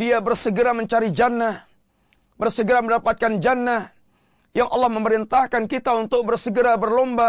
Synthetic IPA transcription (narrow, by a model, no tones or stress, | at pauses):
diabərsəɡəɾaməɲt͡ʃaɾid͡ʒanah | bərsəɡəɾaməndapat̪̚kand͡ʒanah | jaŋʔɑ̰lːɑhməməɾint̪ahkankit̪aunt̪ʊk̚bərsəɡəɾabərlɔmba